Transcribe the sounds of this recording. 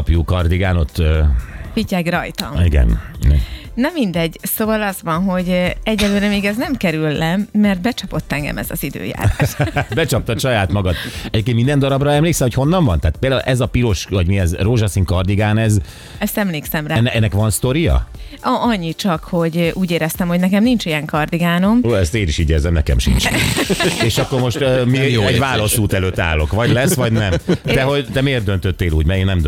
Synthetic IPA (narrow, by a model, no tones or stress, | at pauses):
pjuːkɒrd̪iɡaːnot̪ːøːvicɛɡrɒjt̪ɒ̰miɡɛ̰nḭɛ̰nɒmind̪ɛɟːsoːvɒlɒzʋɒnɦo̞ɟɛɟːɛløːɾɛmeːɡɛznɛmkɛɾylːɛmːɛrt̪̚bɛt͡ʃɒpo̞t̪ːɛŋɡɛ̰mɛ̰zɒ̰zid̪ø̰ːja̰ːɾa̰ːʃbɛt͡ʃɒp̚t̪ɒʃɒjaːt̪mɒɡɒt̪ɛɟeːpkenmind̪ɛnd̪ɒɾɒbrɒɛmleːksɛmhocho̞nːɒɱvɒnt̪aːt̪̚peːld̪aṵlʔɛzɒpiɾo̞ʃvɒɟmiɛzroːʒɒsiŋkɒrd̪iɡaːnɛz | ɛst̪ɛmleːksɛmranːɛnːɛkʋɒnst̪o̞ɾijɒ̰ | ɒʔɒɲːit͡ʃɒkho̞ɟuːɟeːɾɛst̪ɛmho̞ɟnɛkɛmnint͡ʃijɛŋkɒrd̪iɡaːno̞moːɛst̪eːniʃiɟɛzɛmnɛkɛ̰mʃḭnt͡ʃ | eːʃɒkːormo̞ʃt̪ømiɛɟvaːlɒsuːt̪ɛløːt̪ːa̰ːlːo̞kʋɒɟlɛsːʋɒɟnɛmd̪̥ɛɦo̞ɟt̪ɛmeːrd̪ønt̪øt̪ːeːluːɟmɛeːnnɛmd̪